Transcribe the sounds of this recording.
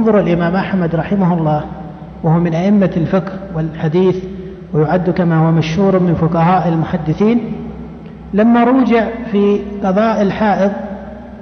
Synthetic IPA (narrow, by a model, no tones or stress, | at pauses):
nðˤʊɾɪlʔɪmaːmʔaħmad̪ɾˤɑħɪmahɑlˤːɑː | wahʊwamɪnʔaʔɪmːalfɪkhwɪlħad̪iːθ | wɪjʊʕad̪ːukamahʊwːmaʃhuːɾmɪnfʊqɑhaːʔɪlmʊħad̪ːɪθiːn | lamːaɾˤuːd͡ʒɪʕfiqɑðˤɑːʔɪlħaːʔɪðˤ